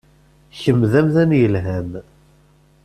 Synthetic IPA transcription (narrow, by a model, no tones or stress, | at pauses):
çəmðæmθænjəlɦæm